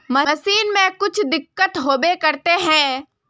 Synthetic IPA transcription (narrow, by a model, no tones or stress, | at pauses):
mɐsiːnmẽkʊt͡ʃʰd̪ɪkːət̪ɦoːbekɐɾt̪eɦɛ̃ː